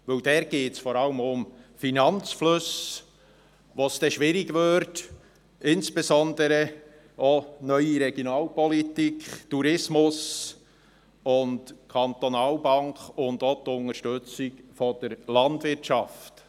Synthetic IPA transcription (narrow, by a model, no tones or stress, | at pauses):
ʋɪld̥ɛːɾɡ̥eːtsfɔɾɑləmʊmfinɑnt͡sflɵs | ʋoːsd̥ɛʃʋɪɾiɡvøɾt | ɪnsb̥esɔnd̪əɾə | oːnœʏiɾɛɡ̥jonɑːlpɔlit̪ikʰχtuɾɪsmʊs | ʊntkʰɑnt̪onɑːlbɑŋkʊndot̪ːʊnəɾʃtɵt͡sɪkfɔd̥əɾlɑndvɪtʃɑft